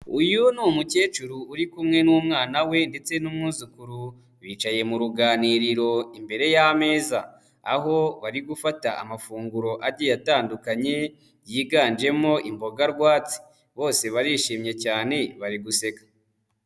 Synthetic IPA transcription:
ujunumuce̞ːt͡ʃuɾuːɾikumŋe̞nuːmŋaːnawe̞nde̞t͡se̞numŋuːzukuɾu | βiːt͡ʃaje̞muɾuɡaːniɾiɾo̞imbe̞ɾe̞jame̞ːza̰ː | ɦo̞βaɾiɡufataa̰mafuːŋɡuɾo̞ʔaɾɟijataːndukaɲe̞ | jiːɡaːnd͡ʒe̞mo̞ʔimbo̞ɡaɾɡwaːt͡si̥ | βo̞ːseβaɾiʃiːmɲe̞caːne̞βaɾiɡuse̞kḁ

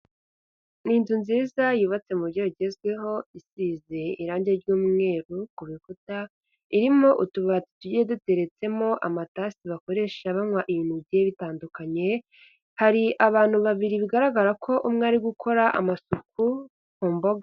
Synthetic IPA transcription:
niːnzunziːzajuβat͡se̞muɟoiɟe̞zɡwe̞ɦo̞isize̞iɾaːɲɟeɾɟuːmŋe̞ːɾukuβikuta | iɾimoʔutuβati̥tuɟedute̞ɾe̞t͡se̞mo̞ʔamataːsiβako̞ɾe̞ːʃaβamŋwaʔijiːn̥uβɟeβitaːndukaɲe̞ | haɾiʔaβaːn̥huβaβiɾiβiɡaɾaɡaɾakʰo̞ʔumŋeaːɾiɡukʰo̞ɾaʔa̰masuku | kuːmbo̞ɡa

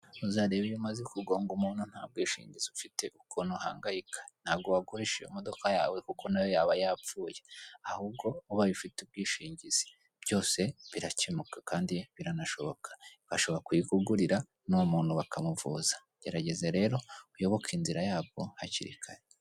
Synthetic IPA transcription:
uzaːɾeβijumazekuɡo̞ːŋɡumuːnhun̥aːb̚ɡiːʃḭːɲɟiziufite̞ʔukuːnhuha̰ːŋɡajikʰḁn̥aːbɡoβaɡoheʃḛumodo̞kaja̰ːwe̞kukʰo̞najo̞jaːβajaːp͡fuːje̞ahubɡo̞uβaβifiteub̚ɡiːʃiːɲɟiz̥i̥ | b̥jo̞ːse̞βiɾat͡ʃimukḁkaːndiβiɾanaʃo̞βo̞kʰḁβaʃo̞βoɾakujiɡuɡuɾiɾa | numuːn̥huβakʰamuvṵːzḁ | ɟ̥eɾaɟe̞zeɾe̞ːɾo̞ujo̞βo̞kʰinziɾajaːβɡo̞hacḭɾḭkʰaɾe

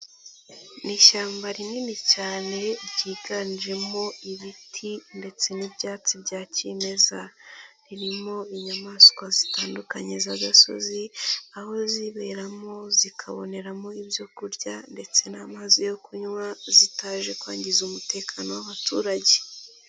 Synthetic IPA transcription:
niːʃaːmbaɾininicaːne̞ɟiːɡaniʒe̞mo̞iβitʰinde̞t͡se̞nibɟaːt͡sibɟaːceme̞zaɾiɾimo̞iɲamaskwazitaːndukaɲe̞zaɡaso̞̰ziaho̞ziβe̞ɾamo̞zikʰaβo̞̰ne̞ɾamo̞ibjo̞kuɾɟande̞t͡se̞namazijo̞kʰuɲwazitaːʒe̞kwaːɲɟizumute̞ːkʰano̞waβatuːɾaɟe̞

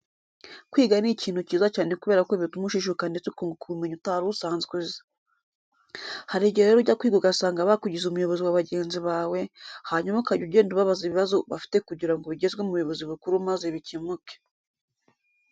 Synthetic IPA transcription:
kwiːɡaniciːn̥huciːzat͡ʃaːne̞kuβe̞ːɾakoβitumuʃiʃ̬ukandet͡sukoŋɡokuumeɲutaɾusaːnzkwezḁ | haɾiɾɟeeeɾoɟakwiːɡoɡasaːŋɡaβakuɟizumujo̞βo̞ziwaβaɟe̞ːnziβaːwe̞haɲumakaɟuɟe̞ːnduβaβaziβiβazoβa̰fi̥te̞kuɟiɾaŋɡoβiɟe̞zɡwemuβujo̞βo̞ziβukuɾumazeβicimuke̥

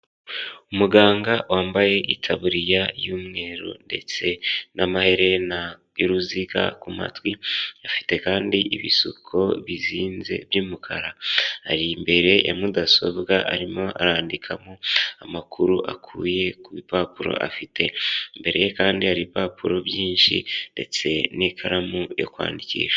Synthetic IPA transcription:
umuɡaːŋɡawaːmbaje̞ʔitʰaβuɾijajumŋe̞ːɾo̰nde̞̰t͡se̞nʔamahe̞ɾe̞na | oɾuziɡa̰kuma̰twiafi̥te̞kaːndiʔiβisukʰo̞βiziːnze̞̰bjuːmukʰaɾaha̰ɾimbe̞ɾe̞ja̰mudaso̞bɡaʔaɾimo̞ʔaɾaːndikʰamoamakʰuɾuʔa̰kʰuːje̞kuβipapuɾo̞̰ʔa̰fitʰe̞mbe̞ɾe̞jekaːndihaɾipaːpuɾo̞bjiːnʃḭnde̞̰t͡se̞nikʰaɾamujo̰kwa̰ːndicḭːʃḁ

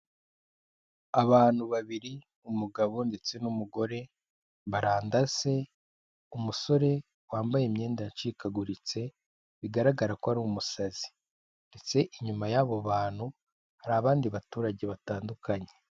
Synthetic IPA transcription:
aβaːn̥huβaβiɾi | umuɡaβo̞nde̞t͡se̞numuɡo̞ɾe̞ | βaɾaːndaze̞ | umuso̞ɾe̞ | waːmbajemɲe̞ːndat͡ʃiːkaɡuɾit͡se̞ | βiɡaɾaɡaɾakohaɾumusazi̥ | nde̞t͡se̞ʔiɲumajaβo̞βaːn̥hu | haɾaːβaːndiβatuːɾaɟe̞βataːndukaɲe̞

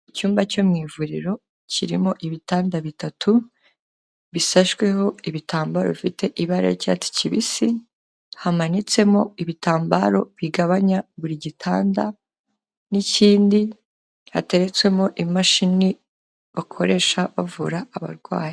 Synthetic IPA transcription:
icuːmbaco̞mŋiːvuɾiɾo̞ | ciɾimo̞ʔiβitaːndaβitatʰu | βisaʃwe̞ho̞iβitaːmbaːɾo̞̰βifite̞ʔiβaɾḛɾca̰t͡si̥ciβisi | hamanit͡se̞mo̞iβitaːmbaɾo̞βiɡaβaɲaβuɾiɟitʰa̰ːnda | niciːndi | hate̞ɾet͡swe̞moʔimaʃini | βakʰo̞ɾe̞ʃaβavuɾaːβa̰ɾɡwa̰ːj

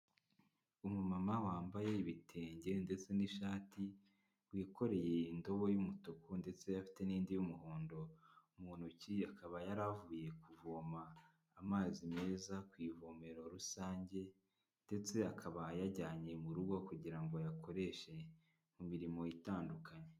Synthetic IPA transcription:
umumamawaːmbaje̞iβitʰe̞ːɲɟe̞nde̞t͡se̞niʃaːti | wiːko̞ɾe̞je̞indo̞βo̞jumutokunde̞t͡se̞jafi̥te̞niːndijumuhoːndo̞umuːn̥huciakʰaβajaɾavuːje̞kuvoːmaː | maːzime̞ːzakwiːvoːme̞ɾoɾusaːɲɟe̞ | nde̞t͡se̞akʰaβajaɟaːɲe̞muɾuɡo̞kuɟiɾaŋɡo̞jakʰo̞ɾe̞ʃe̞ | mumiɾimo̞itaːndukʰaɲe

